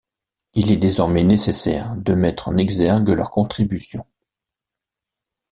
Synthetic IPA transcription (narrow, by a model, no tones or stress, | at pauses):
ilɛd̪ezɔʁmɛnesesɛ̰ːʁd̪əmɛt̪χɑ̰̃nɛɡzɛʁɡəlœʁkɔ̃t̪χibysjɔ̃